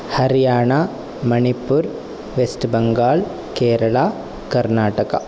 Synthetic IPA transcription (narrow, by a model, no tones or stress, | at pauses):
hɐɾijaːɳa | mɐnipuɾ | ʋesʈbɐŋɡaːɭ | keːɾɐɭaː | kɐɾnaːʈɐkɐ̰